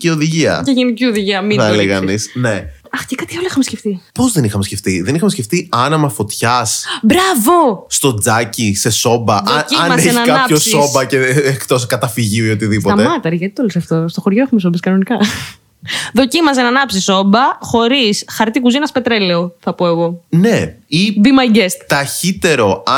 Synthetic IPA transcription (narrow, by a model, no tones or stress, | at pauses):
cio̞ðiʝiɐ̰ceʝenicioðiʝiɐmiɐleɣɐnisne̞ | ɐxcekɐt̪ioliixɐmesceft̪ipo̞zðenixɐmesce̞ft̪iðe̞nixɐmesceft̪iɐnɐmɐfo̞t̪çɐsbɾɐvo̞st̪o̞d͡zɐcise̞so̞bɐðʔociɐnmɐenɐkɐɐossobɐceekt̪o̞skɐt̪ɐfiʝiuiot̪iðipoɐemɐt̪ɐɾiʝɐt̪it̪olisɐft̪o̞st̪o̞xoɾʝoexumes̬obiskɐno̞nikɐ | ðo̞cimɐs̬enɐnɐpsiso̞mbɐxo̞ɾisxɐɾt̪ikuzinɐspet̪ɾele̞oθɐpoeɣo̞neibimɐjɟest̪t̪ːɐçit̪e̞ɾo̞ɐ